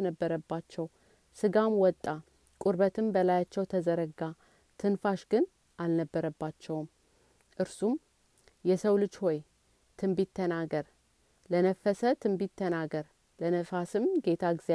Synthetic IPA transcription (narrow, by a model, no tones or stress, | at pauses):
nəbːəɾəbːat͡ʃːɛw | sɨɡamwɔt̪ʼːa | kʼuɾbət̪ʰɨmbəlajat͡ʃːɛwt̪ʰəzəɾəɡa | t̪ʰɨnfaʃɡɨn | ʔalnəbːəɾəbːat͡ʃːɛwm | ʔɨɾsum | jɛsəwlɨt͡ʃːhoj | t̪ʰɨmbit̪ʰːənaɡəɾ | lənəfːəsət̪ʰɨmbit̪ʰːənaɡəɾ | lənəfasɨmɡe̞t̪ʰaɡze